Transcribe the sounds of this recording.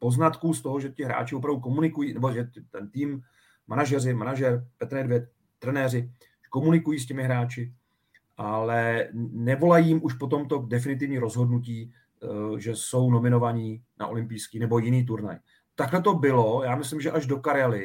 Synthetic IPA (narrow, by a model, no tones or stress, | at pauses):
po̞znat̪kuːst̪o̞ɦoʒɛcɪɦɾa̰ːt͡ʃɪo̞p̬ɾavduko̞munɪkujiːnɛboʒɛɪt̪ɛnt̪iːm | manaʒɛrɪmanaʒɛɾpɛt̪ɾɛdvjɛt̪̚ | t̪ɾɛnɛːrɪ | ʒɛ̥ko̞munɪkujiːscɛmɪɦɾaːt͡ʃɪ | ʔalɛnɛvo̞lajiːmʔuʃpo̞t̪o̞mt̪o̞dɛf̬ɪnɪt̪̬ɪvɲiːɾo̞zɦo̞dnuciː | ʒɛso̞wno̞mɪno̞vaɲiːna̰ʔo̞lɪmpijskiːnɛbo̞jɪniːt̪̬uɾna̰j | t̪aklɛt̪o̞bɪlo̞jaːmɪslɪmʒɛʔaʒdo̞kaɾalɪ